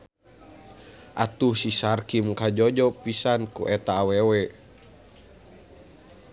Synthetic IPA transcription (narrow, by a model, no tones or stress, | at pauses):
ʔat̪uhsisarkimkad͡ʒɔd͡ʒɔpisankṵʔɛt̪aːwɛwɛ